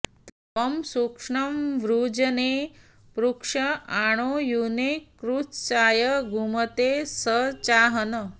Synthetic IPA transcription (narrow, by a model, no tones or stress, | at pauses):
t̪ɐʋɐmsukʂɳɐmʋɾud͡ʑəne | pɾukʂɐaɽ̃ojunekɾust͡ɕaːjəɡʱumət̪esət͡ɕaɦənə